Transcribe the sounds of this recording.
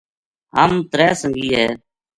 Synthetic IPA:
ɦəmt̪ɾɛːsəŋɡiːɦɛː

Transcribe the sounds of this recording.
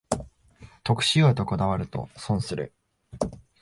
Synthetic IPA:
t̪o̞kɯ̟̥ɕiot̪o̞ko̞d̪aβaɾɯ̟t̪o̞̰sõɰ̃sɨɾɯ̰

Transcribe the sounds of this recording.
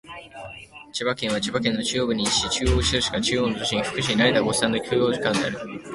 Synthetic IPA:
t͡ɕibakẽ̞ɰ̃β̞at͡ɕibakẽ̞nːo̞t͡ɕijoːbɯ̟ɲ̟iːɕi̥t̪et͡ɕɨːoːɕizɯɕi̥kat͡ɕɨːonot̪oɕĩɲiɸɯ̥kɯ̟ɕiɲinaɾet̪aɡo̞ssãnd̪o̞kʲʰɨːo̞ːʑikãnd̪ea̰ɾɯ̟

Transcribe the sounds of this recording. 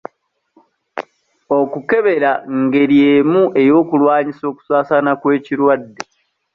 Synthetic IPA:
o̞kuke̞βe̞ɾaŋɡe̞ɾje̞ːmuʔe̞jo̞ːkulwaːɲiso̞ːku̥saːsanakwe̞ːciɾwadːe

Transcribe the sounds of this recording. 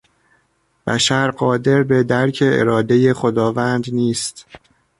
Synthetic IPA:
b̥æ̰ʃæɾɢɒːd̪e̞ɾbe̞d̪æɾcʰe̞ḛɾɒːd̪e̞je̞xod̪ɒːvænd̪niːst̪

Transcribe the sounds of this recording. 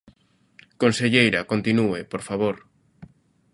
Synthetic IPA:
konseʎejɾɐkont̪inuepoɾfaβoɾ

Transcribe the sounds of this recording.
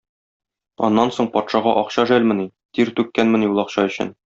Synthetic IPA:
ɒ̰nːɑnsoɴpɒt̪ʃɑʁɑʔɒqɕɑʒælmɘ̆ni | t̪iɾt̪ʉkːænmɘ̆njulˠɒqɕɑɵ̆ɕɘ̰n

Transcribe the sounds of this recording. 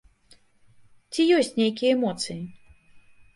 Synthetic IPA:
t͡sʲijɔsʲt͡sʲnʲejkʲijɐɛmɔt̪sɨji

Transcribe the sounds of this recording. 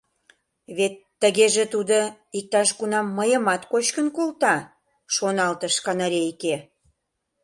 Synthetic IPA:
βet̪ːəɣeʒet̪ud̪o | ik̚t̪ɑʃɣunɑmːəjə̆mɑt̪kot͡ɕkənkult̪ɑ | ʃonɑlt̪əʃkɑnɑɾeike

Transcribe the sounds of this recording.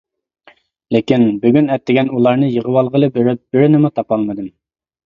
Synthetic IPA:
lɪkʲinbyɡʲynɛt̪ʰːɪɡʲɛnulˠɑɾnɨjəʁəwɑlˠʁəlˠɨbɪɾɪp̚b̥ɪɾɪnɪmut̪ʰɑpɑlˠmɨd̪ɨm

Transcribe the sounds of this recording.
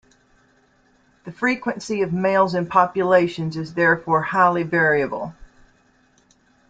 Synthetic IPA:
ðɨfɹikwɨ̃nsiʌvmeɪlˠzɨ̃npʰɑpjɨleɪʃɨ̃nzɨzðɛɹfɔɹhaɪlˠivɛɹiɨbl̩ˠ

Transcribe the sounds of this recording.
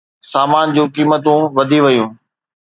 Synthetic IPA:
saːmaːnd͡ʑũːkiːmət̪ũʋɐd̪ʱiʋɐjũː

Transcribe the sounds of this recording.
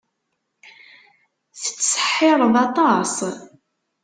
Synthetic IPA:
θə̥t͡sːsə̥ħːɪɾˤəðˤɑt̪ˤɑsˤ

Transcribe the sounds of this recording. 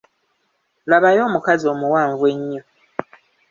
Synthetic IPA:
laβajo̞ːmukazio̞ːmuwaːɱvwe̞ɲːo

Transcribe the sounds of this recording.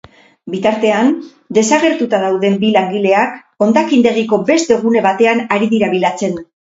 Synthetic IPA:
bit̪aɾt̪e̞an | d̪e̞saɣe̞ɾt̪ut̪að̞awðe̞mbilaŋɡile̞ak | o̞nd̪akind̪e̞ɣiko̞be̞st̪e̞ɣune̞βat̪e̞anaɾiðiɾaβilat͡se̞n

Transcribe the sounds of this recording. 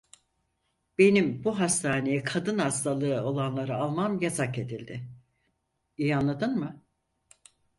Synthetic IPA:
b̥e̞nimbuɦast̪ʰaːne̞jɛkʰad̪ɯnhast̪ʰalˠɯːo̞lˠanlˠaɾɯalˠmamjazake̞d̪ilʲd̪ɪ | ijanlˠad̪ɯnmɯ

